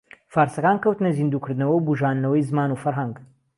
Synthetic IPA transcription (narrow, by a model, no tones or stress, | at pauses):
faːɾsɐkaːnkɐwt̪ɨnɐzind̪uːkʰɨɾd̪ɨnɐwɐwbuʒaːnd̪nɐwɐjzmaːnuːfɐɾɦɐŋɡ